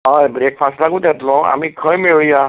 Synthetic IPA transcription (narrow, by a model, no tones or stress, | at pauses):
ɔjbɾek̚pʰaslakũt̪ɛt̪lɔ̃a̰mikʰɔjmeɹija